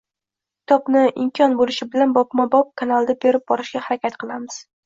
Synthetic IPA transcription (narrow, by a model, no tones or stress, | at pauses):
kʲʰɪ̥t̪ʰɒpnɪʔɪmkʲʰɒnbolɪʃɪbɪlanbɒpmɒbɒp̚kʰanalˠd̪abeɾɪp̚bɒɾɪʃɡʲahaɾakʲʰat̪qʰɨlˠamɪz̥